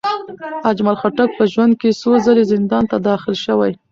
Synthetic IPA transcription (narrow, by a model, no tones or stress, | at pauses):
ad͡ʒmalxaʈak̚pəʒwand̪̚kesozəlezɪnd̪ɑnt̪ad̪ɑxɪlʃəwaj